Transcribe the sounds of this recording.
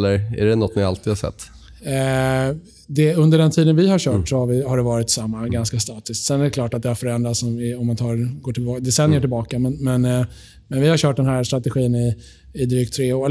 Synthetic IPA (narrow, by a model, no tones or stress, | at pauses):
lːəɾæ̰ɖɛnɔt̪ːnɪa̰lt̪ʰiːd̪haʂsɛ̰t̪ː | d̪ɛɵnd̪əɖɛnt̪ʰiːd̪ənvɪhaɕœːʈsɔhavɪhaɖɛvɑːɾɪt̪samːaɡanskast̪ɑːt̪ɪskt̪sɛnæɾɛkʰlɑːʈat̪̚d̪ɛhaɾfœɾɛnd̪ɾat̪sɔmɪɔmːant̪ʰɑːɾɡoːʈʰɪlbːd̪ɛsɛnːjəʈɪlbɑːkamɛnmɛn | mɛnvɪhaɾɕœːʈ̚d̪ɛnɦæːɾst̪ɾat̪ɛɧiːnɪː | d̪ɾyːk̚t̪ʰɾeːʊɛ